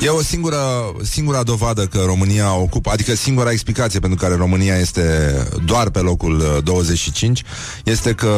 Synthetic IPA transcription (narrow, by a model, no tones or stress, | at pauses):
je̞o̞siŋɡuɾə | siŋɡuɾad̪o̞vad̪əkəɾo̞mɨniao̞kupəad̪ikəsiŋɡuɾaeksplikat̪siepent̪ɾukaɾe̞ɾo̞mɨniaje̞st̪e̞d̪oarpe̞lo̞kuld̪o̞wəze̞t͡ʃʲʃit͡ʃint͡ʃʲ | je̞st̪e̞kə